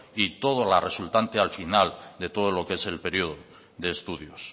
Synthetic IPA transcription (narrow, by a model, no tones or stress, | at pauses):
it̪o̞ð̞olare̞sult̪ant̪ealfinald̪e̞t̪o̞ð̞olo̞kee̞se̞lpe̞ɾioð̞o | ðe̞ːst̪uðjos